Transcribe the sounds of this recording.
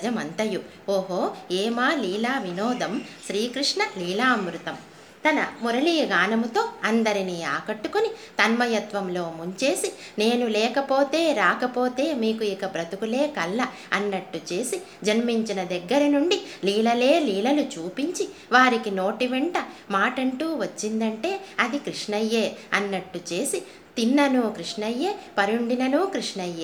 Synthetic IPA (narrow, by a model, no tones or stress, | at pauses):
d͡ʒɐmɐnt̪ɐju | oːɦoːɛːmaːliːlaːʋinɔːd̪ɐmʃɾiːkɾiʂɳɐliːlaːmɾut̪ɐm | t̪ɐnɐmuɾɐɭiːɡaːnɐmut̪o̞ːɐnd̪ɐɾiniːaːkɐʈːukunit̪ɐnmɐjɐt̪ʋɐmlo̞ːmuɲt͡ʃe̞ːsi | ne̞ːnulɛːkɐpo̞ːt̪e̞ːɾaːkɐpo̞ːt̪e̞ːmiːkuikɐpɾɐt̪ukule̞ːkɐlːɐ | ɐnːɐʈːut͡ʃe̞ːsi | d͡ʒɐnmiɲt͡ʃinɐd̪ɛɡːɐɾɐnuɳɖiliːlɐle̞ːliːlɐlut͡ʃuːpiɲt͡ʃi | ʋaːɾikino̞ːʈiʋɛɳʈɐmaːʈɐɳʈuːʋɐt͡ʃːind̪ɐɳʈe̞ːɐd̪ikɾiʂɳɐjːe̞ːɐnːɐʈːut͡ʃe̞ːsi | t̪inːɐnuːkɾiʂɳɐjːe̞ːpɐɾuɳɖinɐnuːkɾiʂɳɐjːeː